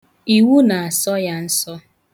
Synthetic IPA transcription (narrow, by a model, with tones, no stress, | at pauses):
i˨wu˦na˨a˨sɔ˦ja˦n̩˦sɔ˦